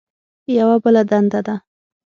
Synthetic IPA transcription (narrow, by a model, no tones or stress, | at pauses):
jawabəlad̪and̪ad̪a